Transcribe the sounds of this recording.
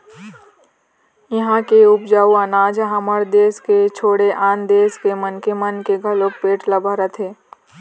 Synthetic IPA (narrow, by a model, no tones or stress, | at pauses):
ɪɦãkeʊpd͡ʒaːuɐnaːd͡ʒɦɐməɾd̪eːsket͡ʃʰoːɽeʔaːnd̪eːskemənkemənkeɡʱɐlopeːʈləbʱaɾət̪ʰeː